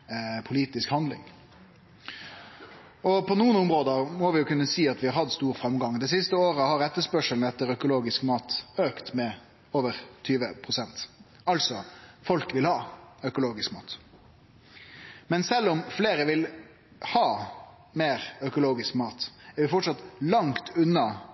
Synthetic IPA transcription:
pʰʊliːt̪ɪskhɑnd̪lɪ̰ŋ | ɔpʰɔnuːənʊmʁoːd̪əʁmɔʋɪjʊkʉnːəsiːɑt̪ʋɪhɑɾhɑt̪ːst̪uːɾfɾɑmɡɑŋd̪ɛs̬ɪst̪əoːʁəhɑɾɛt̪ːəspœʂəln̩ɛt̪ːəɾœkʊloːɡɪskmɑːt̪øːkt̪mɛ | oːʋəʁt̪ʰyːʋəpʰʁʊsɛnt̪ | ɑlsɔfɔlkʋɪlhɑːœkʊloːɡɪskmɑːt̪ | mɛnsɛlːɔmfleːʁəʋɪl | hɑː | meːʁœkʊloːɡɪskmɑːt̪æɾʋɪfɔʈʂɑt̪lɑŋt̪ʉnːɑ

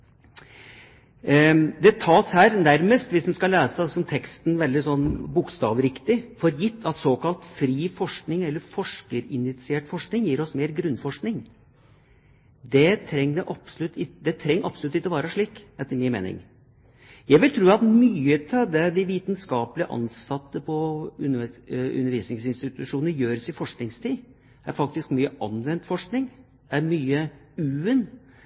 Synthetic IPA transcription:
d̪ɛt̪ʰɑːshæːɾnæɾməst̪ʋɪsʋɪskɑleːsəsɔmt̪ʰɛkst̪n̩ʋɛld̪ɪsɔnːbʊkst̪ɑːʋəɾɪkt̪ɪfɔɾjɪt̪ʰːɑt̪soːkɑlt̪fɾiːfɔʂknɪŋɛlːəɾfɔʂkəɾɪnɪt̪sɪeːʈfɔʂknɪŋjiːɾɔsmeːɾɡɾʉnːfɔʂknɪŋ | d̪ɛt̪ʰɾɛŋnəʔɑpsɔlʉt̪ʰːɪd̪ɛt̪ʰɾɛŋːʔɑpsɔlʉt̪ːɪt̪ːəɔʋɑːɾəʂɭiːkɛt̪ːəɾmɪːnmḛːnɪ̰ŋ | jæɪʋɪlt̪ʰɾʉːɑt̪myːət̪ʰɪd̪ɛd̪ɪʋiːt̪nskɑːpəlɪəʔɑ̰nsɑt̪ːəpʰɔʉnʉ̰nːəɾʋiːsnɪŋsɪnst̪ɪt̪ʉʂuːnəɾjøːɾəsɪfɔʂknɪŋst̪ʰiː | æ̰ɾfɑk̚t̪ɪskmyːəʔɑnʋɛnt̪fɔʂknɪŋ | æɾmyːə | ʉːən

